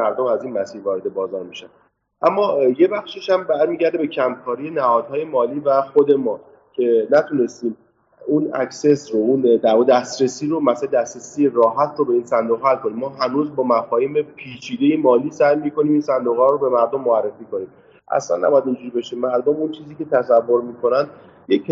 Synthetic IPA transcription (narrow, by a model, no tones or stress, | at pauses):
æɾd̪omæziːnmæsiːɾvɒːɾed̪e̞bɒːzɒːɾmiʃæn | ʔæmːɒjebæxʃiʃæmbæɾmiːɟæɾd̪e̞be̞cʰæmkʰɒːɾije̞næhɒːd̪hɒːje̞mɒːliːvæxod̪e̞mɒː | cʰe̞næt̪ʰune̞st̪iːm | unæ̰cse̞sɾound̪æɾd̪æst̪ɾesiːɾomæsæled̪æst̪ɾesiːjerɒːɦæt̪ʰɾobe̞iːnsænd̪oɣhælkʰoniːmːɒːɦænuːzbɒːmæfɒːhiːmepʰiːt͡ʃʰiːd̪ejemɒːliːsæjmiko̞niːmiːnsænd̪oɣhɒːɾobe̞mæɾd̪omːoærːe̞fiːko̞niːm | ʔæ̰slæ̰nːæ̰bɔjæd̪ind͡ʒuːɾibeʃimːlbɔːmunt͡ʃʰiːziːce̞t̪ʰæsævːoɾmiːkʰonænd̪ | jec